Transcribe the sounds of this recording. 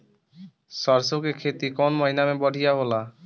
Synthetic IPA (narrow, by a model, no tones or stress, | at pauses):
sɔɾsokekʰet̪ikɔnmɔjnamebɔɖʱijaɦola